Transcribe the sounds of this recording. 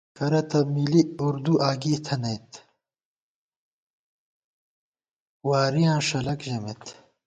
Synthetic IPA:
kɐɾɐt̪ɐbmiːliuɾd̪uʔaːɡiːt̪ʰɐnɐjt̪ | waːɾijãːʂɐlɐkʑɐmet̪

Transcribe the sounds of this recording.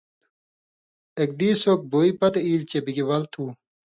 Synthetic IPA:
ek̚d̪iːsoːk̚boːipɐt̪eiːlt͡ɕebiɡiwɐlt̪ʰuː

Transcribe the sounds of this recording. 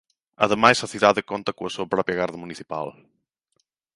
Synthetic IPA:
ɐ̰ðemajsɐθiðaðɪkont̪ɐkõɐsuɐpɾɔpɾjɐɣaɾðɐmuniθipa̰l

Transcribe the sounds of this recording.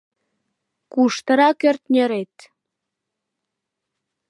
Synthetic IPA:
kuʃt̪əɾɑkørt̪nʲeɾet̪

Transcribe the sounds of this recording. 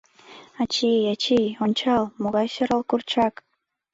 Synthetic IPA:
ɑt͡ɕijɑt͡ɕijonʲt͡ɕɑlˠmoɣɑjɕɤɾəlˠkurt͡ɕɑk

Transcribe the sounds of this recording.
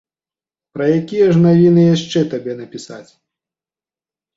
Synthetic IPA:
pɾɐjakʲijɐʐnavʲinɨjaʂt͡ʂɛt̪abʲɛnɐpʲisa̰t͡sʲ

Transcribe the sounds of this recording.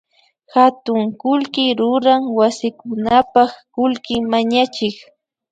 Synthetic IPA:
xat̪ʊŋkʊlkɪɾʊɾaŋwasɪkʊnapɑχkʊlkɪmaɲat͡ʃɪk

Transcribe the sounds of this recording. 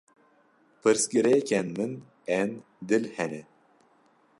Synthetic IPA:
pʰɨɾsɡiɾɛkʰɛnmɨn | ɛn | d̪ɨlhɛnɛ

